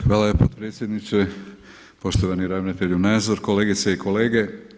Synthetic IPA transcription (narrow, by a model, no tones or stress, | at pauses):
xʋaːlajepot̪pɾe̞ːt̪sʲje̞d̪nit͡ʃ̪e | po̞ʃt̪oʋaniɾaʋnat̪eʎunaːzoɾko̞leːɡit̪seikʰo̞le̞ːɡe̞